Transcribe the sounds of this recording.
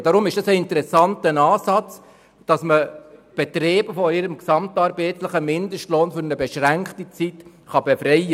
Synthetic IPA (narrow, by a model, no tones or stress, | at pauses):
d̥ɑɾʊmɪʃd̥ɑsəɪntəɾɛsɑntənɑːsɑt͡s | d̥ɑsməb̥etɾeːbəfɔɪɾəmksɑmtɑːɾbeːtləχəmɪndəʃtloːnfʏɾnəbeʃɾæŋkχtit͡sit | χɑbefɾɛɪə